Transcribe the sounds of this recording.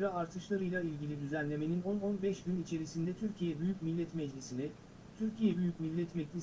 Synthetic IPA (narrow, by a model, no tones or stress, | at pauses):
ɾaaɾt̪ʰɯʃlˠaɾɯjlˠailʲɟilʲid̪yzænlʲe̞me̞nino̞no̞nbɛʃɟynit͡ʃʰe̞ɾisind̪ɛt̪ʰyɾcʰijɛbyjycmilʲːɛt̪mɛd͡ʒlʲisinɛ | t̪ʰyɾcʰijɛbyjycmilʲːɛt̪mɛd͡ʒlʲi